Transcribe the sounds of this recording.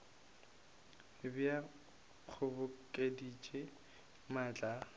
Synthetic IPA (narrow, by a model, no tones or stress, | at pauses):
bja | q͡χʰʊbʊkʼedit͡ʃʼe | maːt͡ɬʼa